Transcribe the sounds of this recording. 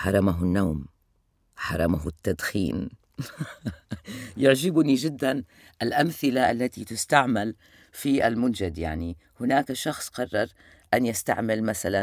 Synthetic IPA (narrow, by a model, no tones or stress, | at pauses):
ħɑɾˤɑmaɦʊnːaːm | ħɑ̰ɾˤɑmaɦʊt̪ːad̪xḭːn | jɪʕʒɪbnid͡ʒɪd̪ːan | ʔɪlʔamθɪlaʔalːat̪it̪ɪst̪aʕmal | fiʔa̰lmʊnd͡ʒad̪ja̰ʕni | hʊnaːkaʃɑxsˤqɑrˤːɑɾˤ | ʔanjɪst̪a̰ʕmɪlmaθala